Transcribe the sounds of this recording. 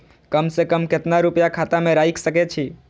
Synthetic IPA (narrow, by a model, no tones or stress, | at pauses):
kəmsekəmket̪naɾupjakʰat̪amẽɾaiksəket͡ʃʰi